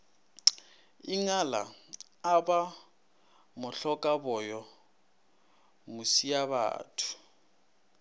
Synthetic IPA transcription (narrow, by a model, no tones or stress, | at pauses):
iŋala̰ | aba | mʊɬɔkʼabɔjɔ | musijaβa̰ːtʰʊ̥